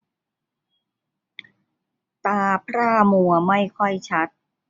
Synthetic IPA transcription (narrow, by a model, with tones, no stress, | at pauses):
t̪aː˧pʰɾaː˥˩mu˨˩ɐma˥˩jkʰɔ˥˩jt͡ɕʰa˦˥t̪̚